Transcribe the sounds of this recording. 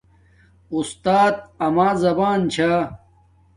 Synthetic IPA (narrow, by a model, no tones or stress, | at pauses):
ust̪aːt̪̚ɐmaːzɐbaːnt͡ɕʰaː